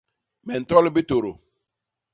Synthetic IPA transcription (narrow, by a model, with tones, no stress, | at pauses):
mɛ˨n̩˨tɔ˦lbi˦to˨ɾo˨